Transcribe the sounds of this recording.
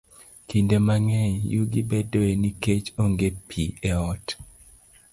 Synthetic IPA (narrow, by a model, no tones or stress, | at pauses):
kindemaŋɛjuɡibedoeniket͡ʃoŋɡepʰieɔt